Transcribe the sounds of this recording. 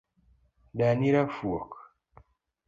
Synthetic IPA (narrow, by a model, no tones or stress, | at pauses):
daniɾafuɔk